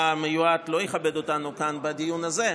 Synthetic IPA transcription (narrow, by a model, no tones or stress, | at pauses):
amejuat̪lo̞jeχabe̞do̞tanukanbedijunaze̞